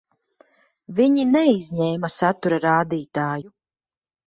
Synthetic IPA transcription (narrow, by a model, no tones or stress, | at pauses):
viɲinɛizʲɲɛːmasat̪uɾaɾaːd̪iːt̪aːju